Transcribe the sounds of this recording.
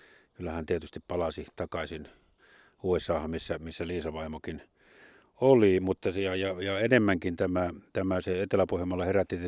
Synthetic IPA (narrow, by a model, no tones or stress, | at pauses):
kylːæhænt̪iet̪yst̪ippɑlɑsit̪ɑkɑsin | uːesɑːhɑmmisːæmisːæliːsɑʋɑˑimokin | olimut̪ːɑsjɑjɑjɑenemːæŋkint̪æmæt̪æmæseet̪elæpohjemːɑlːɑheræt̪ːit̪